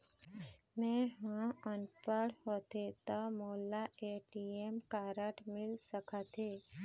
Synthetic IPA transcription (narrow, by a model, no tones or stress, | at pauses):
mẽɦãənpəɽhot̪et̪əmolːaʔeʈiemkaɾəʈmɪlsəkʰat̪e